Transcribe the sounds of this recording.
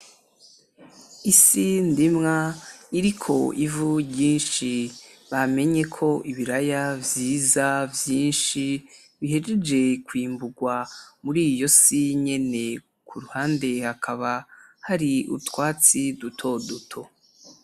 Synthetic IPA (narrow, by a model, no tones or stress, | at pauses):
isindimŋaiɾikʰo̞ʔivuɟiːnʃiβame̞ɲe̞kʰo̞ʔiβiɾajavjiːzavjiːnʃi | βihe̞d͡ʒed͡ʒe̞kwiːmbuɡwamuɾiːjo̞siɲe̞ne̞ | kʰuɾuhaːnde̞hakʰaβahaɾiṵtwaːt͡sidutʰo̞dutʰo̞